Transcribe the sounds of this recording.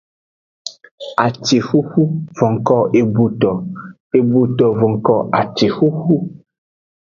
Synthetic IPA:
a˨t͡ʃe˨xu˦xu˦vɔ̃˨ŋkɔ˦˨ʔe˨bu˨tɔ˨ | e˨bu˨tɔ˨vɔ̃˨ŋkɔ˦˨ʔa˨t͡ʃe˨xu˦xu˦

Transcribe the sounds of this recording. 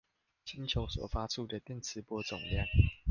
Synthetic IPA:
t͡ɕi˦nt͡ɕʰjo˧˥ʊswɔ̰˨˩fa˦t͡sʰu˥˨d̪ə˨t̪jɛ˥˨nt͡sʰɹ̩˧˥pwɔ˧˦t͡sʊ̰˨˩ŋlja˥˨ŋ

